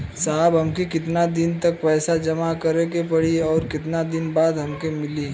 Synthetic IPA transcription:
saɦbɦɐmkikɪt̪nad̪ɪnt̪ɐk̚pɛːsad͡ʒɐmakɐɾekepɐɽiɔːɾkɪt̪nad̪ɪnbaːd̪ɦɐmkemɪliː

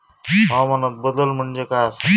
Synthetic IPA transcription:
ɦãmɐnɐt̪̚bəd̪əlm̤əɳd͡ʒekas

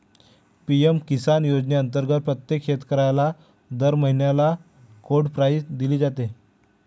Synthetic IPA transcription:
piemkisanjod͡zneənt̪əɾɡət̪̚pɾət̪jekɕet̪kəɾajla | d̪əɾməɦinjala | kʰoɽɖpɾajd̪iliːd͡zat̪e

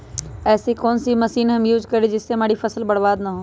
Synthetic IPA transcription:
ɛːsikoːnsimɐsiːnɦɐmjuːd͡ʒkɐɾed͡ʒɪsːeɦɐmaːɽifʰɐsəlbɐɽbaːd̪naɦõː

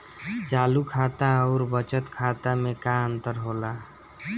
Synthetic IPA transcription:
t͡ʃaːlukʰat̪aɔːɾbət͡ʃət̪kʰat̪amekaənt̪əɾɦola

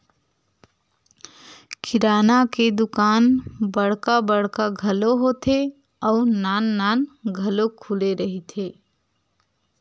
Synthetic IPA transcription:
kʰɪɾaːnaked̪ʊkaːnbəɽ̤kabəɽ̤kaɡʱəloɦot̪ʰe | ɔʊnaːnːanɡʱəlokʰuleɾəɦit̪ʰe

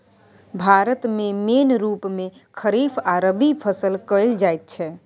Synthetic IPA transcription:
bʱaɾət̪memenɾupmekʰəɾifʰaɾəbipʰəsəlkəɪld͡ʒajt̪̚t͡ʃʰɛ

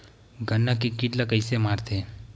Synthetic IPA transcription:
ɡənːakikiʈlakəɪsemaːɾt̪ʰe

